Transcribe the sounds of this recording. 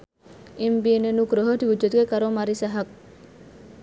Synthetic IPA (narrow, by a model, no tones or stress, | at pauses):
imbiːnenukɾoɦoʈ̪ibud͡ʒːot̪uɡekɐɾomɐɾisɐɦɐk̚